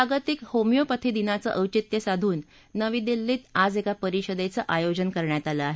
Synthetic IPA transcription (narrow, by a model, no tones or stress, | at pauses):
aɡət̪ikhomijopət̪ʰid̪inat͡səʔəwt͡ɕit̪jəsad̪ʱuːnː | əʋiːd̪ilːiːt̪ad͡zekapəɾiɕəd̪et͡səʔajod͡ʑənkəɾɳjat̪aləaɦe